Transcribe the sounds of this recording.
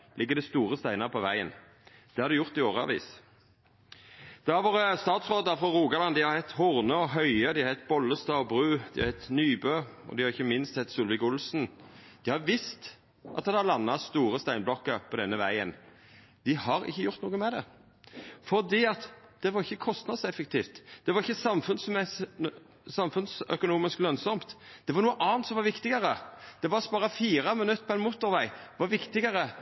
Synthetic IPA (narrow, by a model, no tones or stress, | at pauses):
lʔɪɡːəɾd̪ɛst̪uːʁəst̪æɪnɑʁəpʰɔʋæɪə̰n | d̪̥ɛhɑɾd̪ɪjʊʁt̪ɪoːʁəɑ̰ʋḭːs | d̪̥ɛɑʋoːʁəst̪ɑːt̪sʁoːd̪ɑfɾɑɾuːɡɑlɑnd̪ɪhɑɾhɛt̪ːhʊʁnəɔɦœʏəd̪ɪhɑɾhɛt̪̚bɔlːəst̪ɑːɔbʁʉːd̪ɪɑɾhɛt̪nyːbøːɔ̰d̪ɪhɑʁɪçːəmɪnst̪sɛt̪ːsuːlʋɪkʊlsnd̪̥ɪhɑʋɪst̪ | ʔɑt̪d̪ɑlɑnːɑst̪uːʁəst̪æɪnblɔkːəpʰɔd̪ɛnːəʋæɪən | d̪̥ɪhɑɾɪ̰çːəjʊʁt̪nuːɡəmɛd̪ɛ̰ | fɔʁd̪iːɑt̪d̪̥ɛʋɑɾɪçːəkʰɔst̪nɑd̪sɛfək̚t̪ʰiːft̪d̪̥ɛʋɑɾɪçːəsɑmfʉnsmɛs | sɑmfʉnsœ̰kʊnuːmɪsklœnsɔmt̪d̪̥ɛʋɑɾnuːəʔɑːnt̪sɔmʋɑɾʋɪkt̪ɪɡəɾəd̪̥ɛʋɑɾsbɑːɾɑfiːʁəmɪnʉt̪ːpʰɔɛɪnmuːt̪ːɔɾʋæɪʋɑɾʋɪkt̪ɪɡəɾə